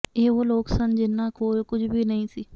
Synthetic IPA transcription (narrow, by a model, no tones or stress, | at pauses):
eːʋoːloːksənd͡ʒɪnːãːkoːkʊd͡ʒʰbʱiːnəĩːsiː